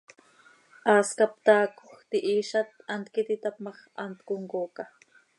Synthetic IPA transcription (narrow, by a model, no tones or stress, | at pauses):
ʔɑːskapt̪ɑːkoxt̪iʔiːʃat̪ant̪kit̪it̪apmɑχa̰nt̪kuŋkoːka